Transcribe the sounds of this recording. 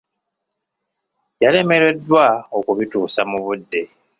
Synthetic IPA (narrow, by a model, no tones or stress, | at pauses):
jale̞me̞ɾe̞dːwaokuβituːsamuβudːe̞